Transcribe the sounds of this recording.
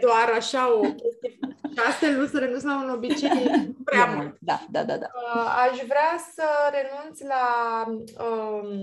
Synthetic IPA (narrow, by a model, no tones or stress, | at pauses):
d̪oaɾaʃao̞kʲe̞st̪iekast̪elusəɾe̞nunts̬launo̞bit͡ʃejpɾeamult̪d̪ad̪a̰d̪a̰d̪aaʃvɾeasəɾe̞nunt̪sla | ə